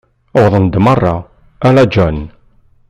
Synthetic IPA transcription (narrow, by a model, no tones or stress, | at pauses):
wðˤənd̪mərˤːɑ | ælæd͡ʒæn